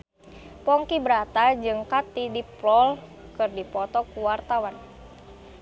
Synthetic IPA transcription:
pɔŋkibɾat̪ad͡ʒɨŋkat̪idiplɔl | kɨrdipɔt̪ɔkuwart̪awan

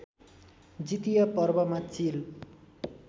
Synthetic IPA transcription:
d͡zit̪ijapʌrbʌmat͡sil

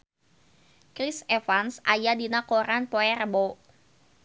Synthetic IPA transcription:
kɾɪsɛfansʔajadinakoɾanpoɛrbo

